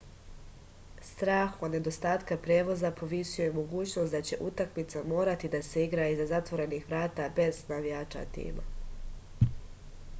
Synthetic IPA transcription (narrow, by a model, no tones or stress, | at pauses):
st̪ɾaːxod̪ne̞d̪o̞st̪aːt̪kapɾeːʋo̞zapo̞ʋisujemo̞ɡuːt͡ɕno̞sd̪at͡ɕe̞ʔut̪akmit̪samo̞ːɾat̪id̪aseiɡɾaizazat̪ʋo̞ɾe̞nixʋɾaːt̪abe̞znaʋijaːt͡ʃa̰t̪ḭːma̰